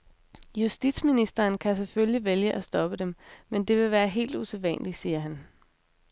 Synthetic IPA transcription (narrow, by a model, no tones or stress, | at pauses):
jusd̥id̥sminisd̥ɐːnkʰæs̬eføljiʋeljəʔæsd̥ɒ̽b̥əd̥emmend̥e̝ʋe̝ʋæːɐɦe̝̰ːld̥useʋæ̰n̰lisiːɐɦæn